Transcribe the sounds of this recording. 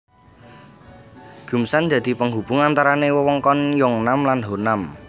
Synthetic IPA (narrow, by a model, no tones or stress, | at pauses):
ɡ̥ṳmsand̪ä̤d̪̥i̤pəŋɦub̥ṳŋant̪aɾanewəwɔŋkɔnjɔŋnamlanɦonam